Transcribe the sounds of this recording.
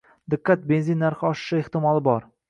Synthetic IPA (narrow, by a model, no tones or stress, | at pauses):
d̪ɪqːat̪̚be̞nzinːaɾχɪɒʃɪ̥ʃɪeht̪ɪmɒlˠɪbɒɾ